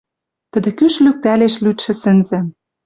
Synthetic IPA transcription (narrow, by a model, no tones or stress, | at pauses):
t̪ə̆d̪ĕkyʃlyk̚t̪æleʃlyt̪ʃɘ̆sɘ̆nzɘ̆